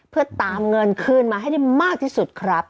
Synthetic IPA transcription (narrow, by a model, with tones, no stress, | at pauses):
pʰɯ˥˩ɐət̪aː˧mŋɤ˧nkʰɯː˥˩nmaː˧ɦa˥˩jda˥˩jmaː˥˩k̚t̪ʰiː˥˩su˨˩t̪̚kʰɾa˦˥p̚